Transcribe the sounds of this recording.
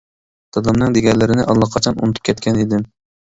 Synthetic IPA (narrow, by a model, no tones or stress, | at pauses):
t̪ʰɑd̪ɑmnɨŋd̪eɡʲɛɾlɪɾɪnɪʔɑlˠːɑqʰɑt͡ʃʰɑnṵnɨt̪ʰy̥p̚kʲʰɛt̪̚kʲʰɛned̪ɪm